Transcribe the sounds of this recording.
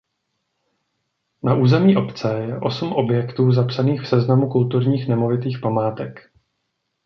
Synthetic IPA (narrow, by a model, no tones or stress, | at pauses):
naʔuːzɛmɲiːʔo̞pt͡sɛjɛʔosmʔo̞bjɛkt̪uːzapsaniːxfsɛznamukult̪uɾɲiːxnɛmo̞vɪt̪iːxpamaːt̪ɛk